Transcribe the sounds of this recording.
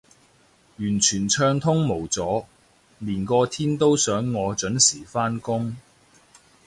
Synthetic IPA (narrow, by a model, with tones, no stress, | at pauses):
jyː˨˩nt͡ʃʰyː˨˩nt͡ʃʰœː˧ŋt̪ʰʊ˥ŋmo˨˩wt͡sɔː˨˥ | liː˨˩nkɔː˧t̪ʰiː˥nt̪o˥wsœː˨˥ŋːɔː˨˧t͡ʃɵ˨˥nsiː˨˩faː˥nkʊ˥ŋ